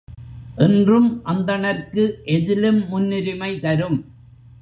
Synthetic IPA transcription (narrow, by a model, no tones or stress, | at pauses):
ʔɪndrɯmʔɐnd̪ɐɳɐɾkɯʔɛðɪlɯmːʊnːɪɾɪmɐɪt̪ɐɾɯm